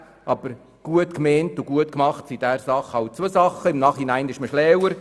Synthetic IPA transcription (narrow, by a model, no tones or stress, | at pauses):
ʔɑb̥əɾ | ɡ̥uətkmeːntʊɡuətkmɑχtsid̥æːɾsɑχɑwt͡sʋosɑχːəɪmnɑːχhinæɪnɪʃməʃlɛwəɾ